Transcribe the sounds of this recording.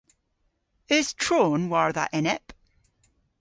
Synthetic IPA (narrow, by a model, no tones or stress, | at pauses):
ɪz̥tʰɹ̥oːnwaɹðə̰ʔɛnɛp